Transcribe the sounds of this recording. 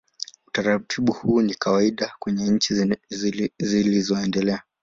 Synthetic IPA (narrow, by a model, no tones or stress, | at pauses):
utaɾatʰiɓuhuːnikawaiɗakwɛɲɛɲ̩t͡ʃi | zilizɔɛndɛlɛa